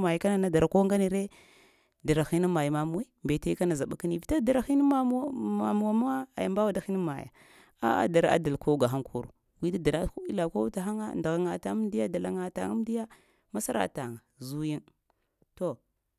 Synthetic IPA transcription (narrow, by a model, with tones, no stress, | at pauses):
ma˨ji˨ka˦na˨na˦da˨ɾa˨ko˦ŋɡa˦ni˨ɾe˦ | da˨ɾa˨xi˦ni˦ma˨ji˨ma˦mu˦e˦mbe˨ta˦i˦ka˦na˨za˨ɓa˦ka˦ni˦˨vi˨ta˦da˨ɾa˨xi˦ni˦a˦ma˨mu˨wa˦m˦a˦a˨ja˨mba˦wa˦da˦xi˦ni˦ma˨ja̰˨ | a̰˦a̰˦da˨ɾa̰˦a̰˦da˨lko˦ɡa˨ɦa˦ŋkʰu˦ɾṵ˨ | ɡʷi˦da˦da˨ɾa˦ku˦i˦la˨ko˦ta˨xa˦ŋa˦˨nda˨ɣa˨ŋa˨ta˨˦di˦ja˦da˨la˨ŋa˨ta̰˨ŋa˦m˦di˦ja˦ | ma˦sa˦ɾa̰˦˨ta˨a˨zu˦ji˦n | to˨